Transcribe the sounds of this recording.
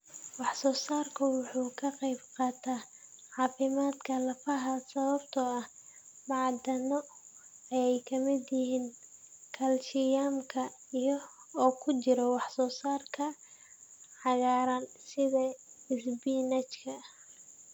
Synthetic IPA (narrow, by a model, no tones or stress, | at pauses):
wɑħsɔːsaːrkʰʊwʊħuːkʰɐqɑjbqɑːt̪ʰaː | ʕɑːfɪmaːd̪kʰɐlɐfɐɦɐsɐβɐbt̪ʰɔɐh | mɑʕd̪ɐnɔ | ɐjɛjkʰɐmɪd̪jɪɦiːnkʰɐlʃɪjaːmkʰɐijɔɔːkʰʊt͡ʃɪɾɔwɑħsɔːsaːrkʰɐ | ħɑɣaːɾɐnsɪðɐɪsbinɐt͡ʃkʰɐ